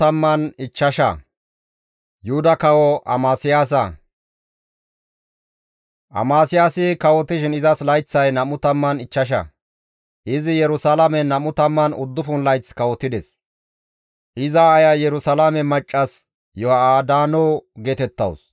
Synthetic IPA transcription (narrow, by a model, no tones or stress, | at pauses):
ɐmːɐnɪt͡ʃːɐʃɐ̰ | jʊhʊd̪ɐkɐwɔʔɐ̰maːsɪjaːs̬ɐ̰ | ʔɐ̰maːsɪjaːsɪkɐwɔt̪ːɪʃɪnɪzɐslɐjt͡sːɐjnɐmʊt̪ɐmːɐnɪt͡ʃːɐʃ̬ɐ̰ | ʔɪzɪjɛɾʊsɐlɐmɛnɐmʊt̪ɐmːɐnʊ̰d̪ːʊfʊnlɐjt͡skɐwɔt̪ːɪd̪ɛs | ʔɪzɐːjɐjɛɾʊsɐlamɛmɐt͡ʃʼːɐs | jɔhɐaːd̪aːnɔːɡeːt̪ɛt̪ːɐ̰ws